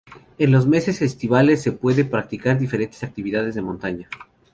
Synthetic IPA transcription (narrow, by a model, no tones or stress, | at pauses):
e̞nlo̞zme̞se̞sest̪iβale̞sːe̞pwe̞ðepɾak̚t̪ikaɾðife̞ɾe̞nt̪esak̚t̪iβiðað̞e̞zðemõ̞nt̪aɲa